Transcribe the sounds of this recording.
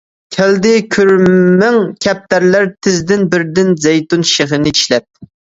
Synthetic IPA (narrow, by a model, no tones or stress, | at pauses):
kʲʰæld̪ɪkʲʰyɾmæŋkʲʰɛp̚t̪æɾlæɾt̪ʰɪzd̪ɪnbɪɾd̪ɪnzɛjt̪unʃeχɨnɨiʃlɛp̚